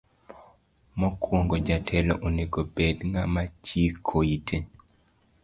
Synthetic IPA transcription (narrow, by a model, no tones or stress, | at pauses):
mɔkʰwoŋɡod͡ʒatʰɛlɔ̰ʔoneɡobed̪ŋamat͡ʃikʰoitʰe